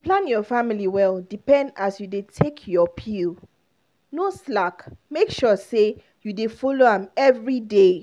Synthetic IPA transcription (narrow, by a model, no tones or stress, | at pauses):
plãnjɔfamiliwɛldipɛ̃ndasjudetʰekʰjɔpʰil | noslakmekʃɔse | judefɔloãmɛvɹide